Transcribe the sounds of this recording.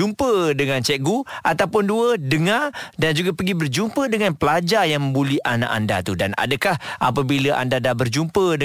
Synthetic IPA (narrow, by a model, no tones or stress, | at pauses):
umpədəŋãnt͡ʃɛʔɡuʔat̪awpʊnduədəŋadand͡ʒuɡapəɡibərd͡ʒumpədəŋanpəlad͡ʒajaŋmə̃mbuliʔana̰ʔa̰nda̰t̪udana̰dəkahap̬abiləʔa̰ndadabərd͡ʒumpədə